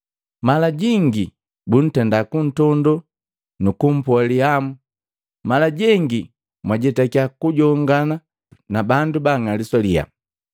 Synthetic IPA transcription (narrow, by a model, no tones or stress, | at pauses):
malaɟiŋɡi | bun̩tɛndakun̩tɔndɔ | nukum̩pwaliamu | malaɟɛŋɡi | mwaɟɛtakiakuɟɔŋɡana | nabandubaŋalisɔlia̰